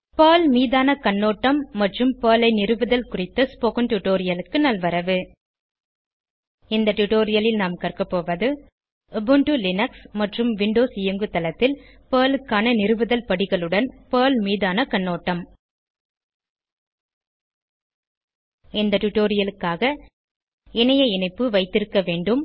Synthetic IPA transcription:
pɐːlmiːðaːnɐkɐɳːoːʈːɐmːɐʈrɯmpɐːlɐɪnɪɾɯʋɯðɐlkʊrɪt̪ːɐspoːkɐnʈʊʈoːɾɪjɐlɯkːɯnɐlʋɐɾɐʋɯ | ɪnd̪ɐʈʊʈoːɾɪjɐlɪlnaːmkɐrkɐpːoːʋɐðɯ | ɐbɯɳʈulɪnɐksmɐʈrɯmʋɪɳɖoːsɪjɐŋɡɯt̪ːɐlɐt̪ːɪl | pəːlɯkːaːnɐnɪɾɯʋɯðɐlpɐɽɪɣɐɭɯɽɐnpɐːlmiːðaːnɐkɐɳːoːʈːɐm | ɪnd̪ɐʈʊʈoːɾɪjɐlɯkːaːɣɐ | ɛnɐjɐɪnɐɪpːɯʋɐɪt̪ːɪɾɯkːɐʋeːɳɖɯm

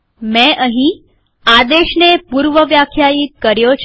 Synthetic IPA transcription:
mɛ̃ʔəɦĩ | ad̪eɕnepuːɾʋəʋjakʰjajiːt̪̚kəɾjot͡ɕʰ

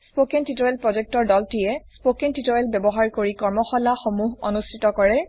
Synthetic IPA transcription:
spokɛntitɔjɛlpɹɔd͡ʒɛk̚tɔɹdɔltijɛspokɛntitojɛlbɛbɔɦaɹkoɹikɔɹmɔxɔlaxomuɦo̰nustʰitɔkɔɹɛ

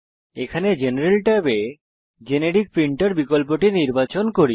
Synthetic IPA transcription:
ekʰaned͡ʑeneɾelʈabe | d͡ʑeneɖik̚pɾiɳʈoɾbikolpoʈiniɾbat͡ɕonkoɾi

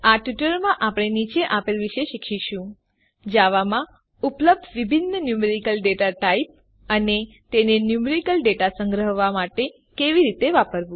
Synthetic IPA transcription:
aʈʋiʈəɾmãʔapəɽɳ̃enit͡ʃeʔapelʋiʃeʃikʰiʃũ | d͡ʒaʋamã | upləb̚d̪ʱʋibʱinːənjumeɾikəlɖeʈaʈaip̚ | əne | t̪enenjumeɾikəlɖeʈasə̃ŋɡɾəɦʋamaʈe | keʋiɾit̪eʋapəɾʋũ

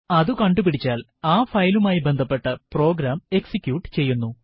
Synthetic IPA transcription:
ɐðukɐɳɖupiɽit͡ɕːaːl | aːfɐjlumaːjibend̪ʱɐpːe̞ʈːɐpro̞ːɡɾaːme̞ksikʲːjuːʈːɨ̥t͡ɕe̞jːunːu

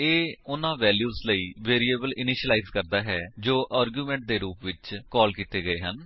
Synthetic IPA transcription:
eːʊnãːʋɛːljuːzləiːʋeːɾieːbəlɪnɪːʃəlaːiːzkəɾd̪aːɦɛːd͡ʒoːʔaːɾɡjuːmɛ̃ːɳʈ̚d̪eːɾuːpʋɪt͡ʃkɔːlkiːt̪eːɡəeːɦən

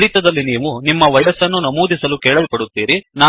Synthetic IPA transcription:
ɾit̪ɐd̪ɐlːiniːʋunimːɐʋɐjɐsɐnːunɐmuːd̪isɐlukɛːɭɐlpɐɽut̪ːiːɾinaː

